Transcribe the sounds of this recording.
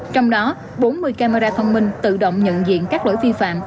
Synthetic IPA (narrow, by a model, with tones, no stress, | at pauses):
t͡ɕɔ˧wŋ͡mɗɔ˨˦ | ɓo˨˦nmɨ˧əjkaː˧ma˧ɾaː˧t̪ʰə˧wŋ͡mmï˧ŋ̟t̪ɨ̰˧˨ɗə̰˧˨wŋ͡mɲə̰˧˨nzḭ˧˨ənkaː˦˥k̚lo̰˧˩˨jvi˧fa̰ː˧˨m